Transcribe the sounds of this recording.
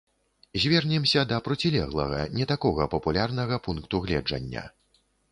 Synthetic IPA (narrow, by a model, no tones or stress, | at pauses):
zʲvʲɛrnʲɛmsʲɐd̪ɐpɾɔt͡sʲilʲɛɣlˠɐ̰ɣɐ̰nʲɛt̪akɔɣɐpɐpulʲarnɐɣɐpunkt̪uɣlʲɛ̰d͡ʐɐ̰nʲːɐ̰